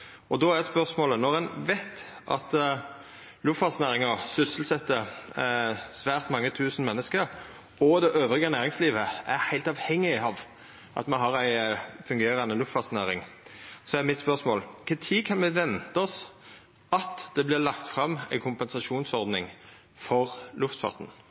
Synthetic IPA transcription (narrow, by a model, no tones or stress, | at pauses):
ɔd̪ɔːæɛspœʁsmoːlənɔʁɛnʋæɪt̪ | ʔɑ̰t̪ | lʉft̪fɑːsnæːʁɪŋəsʏsəl̩sɛt̪ːə | sʋæːʁt̪mɑŋːət̪ʰʉːsn̩mɛnːəskəɾ | ɔd̪ɛʔøːʋɾɪɡənæːʁɪŋsliːʋəæɾhæɪlt̪ɑʋhɛŋːɪɑʋ | ʔɑ̰t̪mɑnɦɑʁæɪfʉŋɡeːɾɑnəlʉft̪fɑːt̪snæːɾɪŋsɔæmɪt̪spœʁsmoːlkʰɛt̪ʰiːkʰɑnmɛʋɛnt̪əɔs | ɑt̪d̪̥ɛblɪʁlɑkt̪fɾɑmːæ̰ɪkʰʊmpɛnsɑʂuːnsɔʁd̪nɪŋ | fɔʁlʉft̪fɑ̰ʁt̪n̩